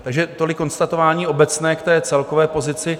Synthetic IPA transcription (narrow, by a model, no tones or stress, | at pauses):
t̪aɡʒɛt̪olɪkːo̞nst̪at̪o̞vaːɲiːʔo̞bɛt͡snɛːkt̪ɛːt͡sɛlkovɛːpo̞zɪt͡sɪ